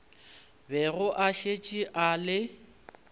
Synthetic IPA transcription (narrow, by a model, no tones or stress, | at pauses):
bɛɣʊʔaʃet͡ʃʼiʔalɪ